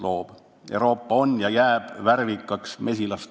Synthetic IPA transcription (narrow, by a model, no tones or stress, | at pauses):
loːb̥ | ewɾo̞ːpˑːɑo̞njɑjæːb̥værvikːˑɑksme̞sʲilɑst̪